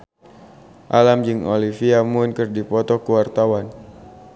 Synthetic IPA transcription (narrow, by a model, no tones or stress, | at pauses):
ʔalamd͡ʒɨŋolifiamʊnkɨrdipɔt̪ɔkuwart̪awan